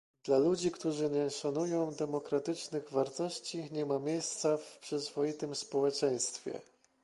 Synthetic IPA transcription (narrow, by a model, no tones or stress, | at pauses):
d̪̥lalud͡ʑikt̪uʐɘɲɛʂanujɔ̃w̃d̪ɛmɔkɾat̪ɘt͡ʂnɘɣvaɾt̪ɔɕt͡ɕiɲɛmamʲjejst̪safpʂɘzvɔjit̪ɘmspɔwɛt͡ʂɛj̃st̪fʲjɛ̰